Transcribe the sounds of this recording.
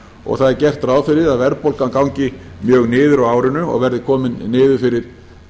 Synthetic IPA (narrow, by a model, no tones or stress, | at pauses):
ɔ̰ɣθaðɛɾcɛr̥t̪ɾaːwfɪɾɪɾaðvɛɾpowlkankawɲcɪmjœːɣnɪːðʏɾawaːwɾɪnʏɔ̰ɣvɛɾðɪkʰɔːmɪnːɪːðʏfɪɾɪɾ̥